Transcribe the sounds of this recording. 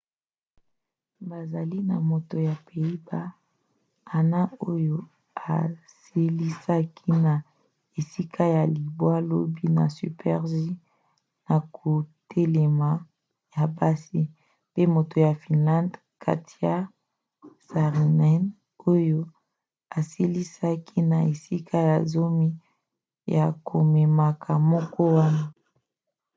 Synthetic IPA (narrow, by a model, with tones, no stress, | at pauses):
ba˨za˨li˦na˨mo˨to˨ja˨pe˨i˦ba˦ | a˨na˦o˦jo˦ | a˨ | se˨li˦sa˦kʰi˦na˨ | e˨si˦kʰa˦ja˨li˨bwa˦lo˦bi˦na̰˨sy̰˨pʰɛ˦ʁʒi˦ | na˨kʰo˨tʰe˦le˨ma˨ | ja˨ba˦si˦ | pe˦mo˨to˨ja˨fi˨nlã˦nd | kʰa̰˨ti˦a˦ | sa˨ʁi˨nɛ˦n | o˦jo˦ | a˨si˦li˦sa˦kʰi˦na˨e˨si˦kʰa˦ja˨zo˦mi˦ | ja˨kʰo˨me˨ma˨kʰa˨mɔ˦kɔ˦wa˦na˦